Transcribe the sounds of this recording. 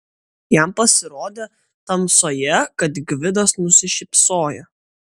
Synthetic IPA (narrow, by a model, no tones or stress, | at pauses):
jæmpɐsʲɪɾoːd̪ʲeː | t̪ɐmsoːjɛkɐt̪ɡʋʲɪd̪ɐsnʊsʲɪʃʲɪpsoːjɛ